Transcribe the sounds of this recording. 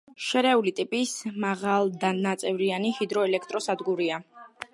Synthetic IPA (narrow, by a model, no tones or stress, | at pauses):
ʃɛɾɛulit̪ʼipʼismaʁalˠd̪anat̪sʼɛvɾianihid̪ɾɔɛlɛkʰt̪ʼɾɔsad̪ɡuɾia